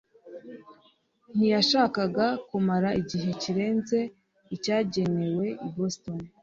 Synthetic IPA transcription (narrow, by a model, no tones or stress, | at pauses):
n̥ijaʃaːkaɡakumaɾaʔiɟiɦe̞ciɾe̞ːnze̞ | icaːɟe̞ne̞we̞iboston